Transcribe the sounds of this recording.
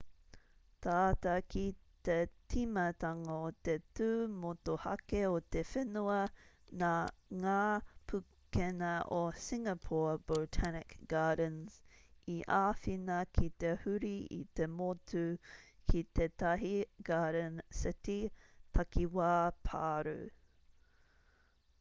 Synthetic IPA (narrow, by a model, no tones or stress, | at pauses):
t̪aːtɐkʰit̪etʰimɐt̪aŋaot̪etʉːmotohɐ̰keot̪efenuɐ | naŋaːpʰu | kenɐosiŋɐpʰob̥otʰænɪkɡ̥aːdənziʔaːfinɐkʰit̪ehʉɾiḭt̪emotʰukʰit̪et̪ɐɦiɡ̥aːɾənsɪtit̪ʰɐkiwaːpʰa̰ːɾṵ